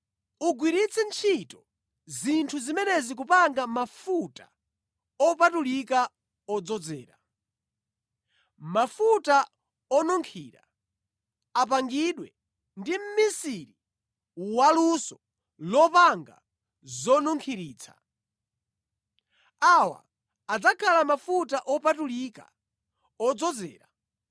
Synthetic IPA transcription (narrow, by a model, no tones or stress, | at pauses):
uɡwiɾit͡sʰɛnt͡ʃʰitɔ | zintʰuzimɛnɛzik̬upaŋɡamafutḁ̰ | ɔpatulika | ɔd͡zɔd͡zɛːɾa̰ | mafuta | ɔnɔŋkʰiːɾa̰ | ap̬aŋɡiɗwɛ | ndim̩misiɾi | walusɔ | lɔpaŋɡa̰ | zɔnuŋkʰiɾiːt͡sʰa̰ | awa̰ː | d͡zakʰalamafutaʔɔpatulika̰ | ɔd͡zɔd͡zɛ̰ːɾa̰